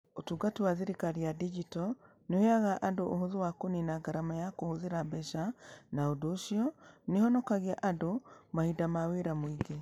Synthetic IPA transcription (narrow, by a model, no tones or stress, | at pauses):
otuɡatiwaðiɾikaɾiadid͡ʒitɔ | nejaɣaʔadoʔoɦoðuwakoninaɡaɾamajakohoðiɾabɛʃanaodoʃiɔnihɔnɔkaɣiaʔadomahidamaweɾamwiɡe